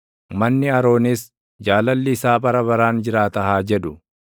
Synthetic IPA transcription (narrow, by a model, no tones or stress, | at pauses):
mɐnːɪɐɾo̞ːnɪs | d͡ʒaːlɐlːɪːsaːbɐɾɐbɐɾaːnd͡ʒɪɾaːt̪ɐɦaːd͡ʒɛᶑʊ